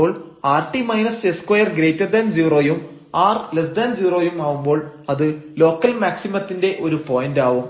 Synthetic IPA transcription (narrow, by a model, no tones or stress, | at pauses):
oːɭaːrʈimɐjnɐseskwɐjɐrɡɾejtːɐrd̪ɐnd͡ʑiːro̞ːjum | aːrlesd̪ɐnd͡ʑiːro̞ːjumaːʋumbo̞ːɭɐðɨlo̞ːkːɐlmaːksimɐt̪ːinde̞ʔo̞ɾupoːjindaːʋum